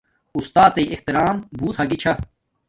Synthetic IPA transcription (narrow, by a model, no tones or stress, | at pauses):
ust̪aːt̪eiʔeht̪iɾaːmbʱuːt̪ʰɐɡit͡ɕʰa